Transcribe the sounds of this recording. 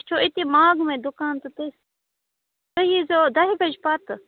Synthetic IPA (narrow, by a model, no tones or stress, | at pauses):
t͡ʃʰoːɪt̪iːmaːɡmẽːd̪ʊkaːnt̪ut̪es | t̪əɦizoːd̪ɐɦibɐd͡ʒpat̪